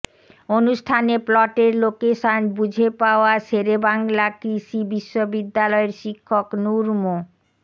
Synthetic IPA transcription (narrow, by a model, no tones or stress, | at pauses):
onuʃʈʰaneplɔʈeɾlokeʃanbud͡ʑʱepaoaʃeɾebaŋlakɾiʃibiʃːobid̪ːalɔeɾʃikʰːoknuɾmo